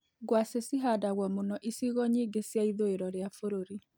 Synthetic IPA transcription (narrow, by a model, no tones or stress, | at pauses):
ɡwasesiɦadaɣwɔmonɔʔisiɣɔɲiːɡesjaiðoeɾɔɾeafoɾoɾi